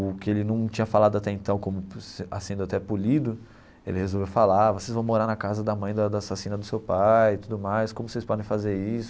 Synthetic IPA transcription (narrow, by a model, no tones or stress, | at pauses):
ʊkɪelɪnɐ̃w̃t͡ʃĩɲɐfalad̪ʊat̪ɛẽnt̪ɐ̃w̃kõmʊsa̰sẽnd̪ʊat̪ɛpulid̪ʊ | ḛlɪhezowvewfalavosejzvɐ̃w̃moɾaɾnɐkazɐd̪ɐmɐ̃j̃d̪ɐd̪ɐːsasĩnɐd̪ʊsewpajɪt̪ud̪ʊmajskõmʊsejspɔd̪ẽj̃fazeɾisʊ